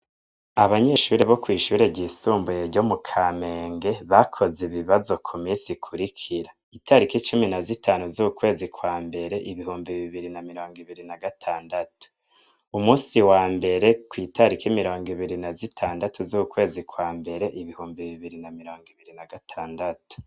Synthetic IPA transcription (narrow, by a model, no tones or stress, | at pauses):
aβaɲe̞ʃuːɾeβo̞kwiːʃuːɾe̞ɟiːsuːmbujeɾɟo̞mukʰaːme̞ːŋɡe̞βakʰo̞ziβiβazo̞kʰumiːnsikʰuɾikʰiɾa | itʰaɾikit͡ʃuminazitʰaːnuzukukwe̞ːzikwaːmbe̞ɾe̞ʔiβiɦuːmbiβiβiɾinamiɾo̞ːŋɡiβiɾinaɡatʰaːndatu̥ | umuːsiwaːmbe̞ɾe̞kwiːtʰaɾikimiɾo̞ːŋɡiβiɾinazitʰaːndatuzukukwe̞ːzikwaːmbe̞ɾe̞ʔiβihuːmbiβiβiɾinamiɾo̞ːŋɡiβiɾinaɡatʰaːndatu̥